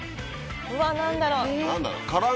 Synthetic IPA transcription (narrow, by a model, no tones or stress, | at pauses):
ɯ̟βanãnd̪aɾonãnd̪a̰ɾo̰kaɾa